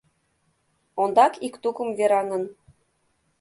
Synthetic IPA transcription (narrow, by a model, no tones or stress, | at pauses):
ond̪ɑkikt̪ukə̆mveɾɑŋɤ̆n